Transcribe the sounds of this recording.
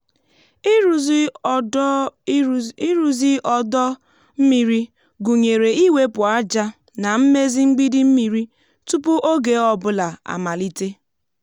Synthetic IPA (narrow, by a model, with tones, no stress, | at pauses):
ɾu˨zi˦ʔɔ˨dɔ˦ | m̩˦mi˨ɾi˦ | ɡu˨ɲe˨ɾe˨i˦we˦pʊ˨a˦d͡ʒa˦ | na˨m̩˦me˦zi˦ŋ͡m̩˦ɡ͡bi˦di˦m̩˦mi˨ɾi˦ | tu˦pʊ˦ʔo˦ɡe˨ɔ˦bʊ˦la˨a̰˨ma˨li˦te˦